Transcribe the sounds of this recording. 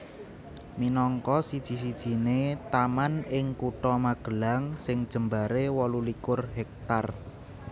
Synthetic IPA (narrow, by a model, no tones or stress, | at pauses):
minɔŋkɔsid̥ʒ̥i̤s̬id̥ʒ̥i̤net̪amanɪŋkuʈɔmaɡ̥ə̤laŋsɪŋd̥ʒ̥ə̤mbaɾewɔlulikʊrɦɛk̚t̪ar